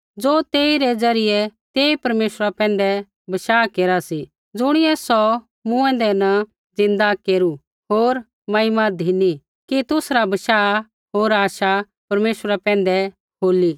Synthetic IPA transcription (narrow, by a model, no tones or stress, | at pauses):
d͡zoːt̪eːiɾɛd͡zɐɾɪjɛt̪eːipɐɾmeːʃɾapɛ̃ːnd̪ɛ | bɐʃaːkeːɾasi | d͡zʊɽ̃ɪɛsɔ | mũɛ̃nd̪ɛnɐ | d͡zɪ̃nd̪akeːɾu | ɦoːɾ | mɐɪmad̪ʱini | kit̪ʊsɾabɐʃaː | ɦoːɾaːʃa | pɐɾmeːʃwɾapɛ̃ːn̆d̪ɛ | ɦoːli